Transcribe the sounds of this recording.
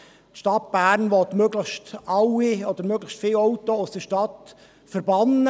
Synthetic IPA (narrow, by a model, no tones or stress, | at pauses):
tʃtɑtb̥æːɾnʋɔt̪møːɡləχʃtɑwiɔd̥̪əɾmøːɡləʃtfɪlwɔʊtoʊsd̥əʃtɑt | fəɾbɑnə